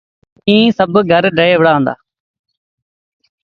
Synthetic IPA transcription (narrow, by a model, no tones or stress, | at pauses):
ĩːsəbɡʱəɾɖəeːʋɽaːə̃ːnd̪a̰ː